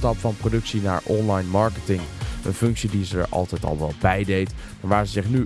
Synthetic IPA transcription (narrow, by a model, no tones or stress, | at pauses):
tɑpfɑnprodɵksina̰ːɹʔɔnlɑjnmɑɹkətɪŋə̰nfɵŋksidizəɹʔɑ̰lˠtɛjtɑ̰lˠʋɛlˠbɛjdejt | aɹʋaːɹzəzɪχny